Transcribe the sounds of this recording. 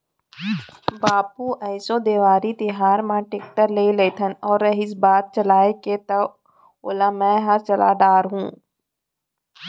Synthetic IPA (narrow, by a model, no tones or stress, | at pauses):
baːpuʔɛːsod̪eːʋaːɾit̪ɪɦaːɾmãːʈek̚ʈəɾleːleːt̪ʰənɔːɾːəɦɪsbaːt̪̚t͡ʃəlaːeket̪ɐ | o̰ːlaːmɛ̃ːɦɐɾt͡ʃɐla̰ːɖaːɾɦṵ̃ː